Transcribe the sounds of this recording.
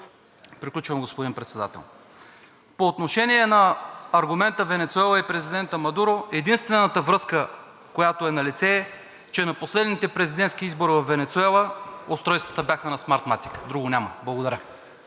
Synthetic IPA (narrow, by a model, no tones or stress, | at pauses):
pɾiklʲut͡ʃvɐmɡospod̪inpɾɛt̪sɛd̪a̰t̪ɛ̰lˠ | poːt̪noʃɛniɛnɐːɾɡʊmɛnt̪əvɛnɛt̪suɛlˠəipɾɛzid̪ɛnt̪əmɐd̪uɾoɛd̪inst̪vɛnət̪əvɾɤskə | kojat̪oɛnɐlit̪sɛː | t͡ʃɛnɐposlɛd̪nit̪ɛpɾɛzid̪ɛnt̪skiizboɾivɐfːɛnɛt̪suɛlˠəost̪ɾɔjst̪və̥t̪əbʲjaxənɐsmaɾt̪mat̪ikd̪ɾuɡʊnʲaməblˠɐɡod̪ɐɾʲjə